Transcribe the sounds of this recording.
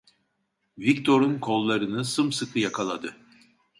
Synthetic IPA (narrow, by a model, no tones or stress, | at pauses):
vikt̪ʰo̞ɾunkʰo̞lˠːaɾɯnɯsɯmsɯkʰɯjakʰalˠad̪ɯ